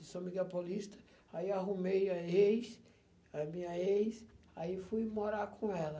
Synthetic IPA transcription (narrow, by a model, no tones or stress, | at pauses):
ɪsõmiɡapolist̪ɐ̥ | aiaɦumejɐejs | ɐmĩɲɐejsaifujmoɾakʰõɛlɐ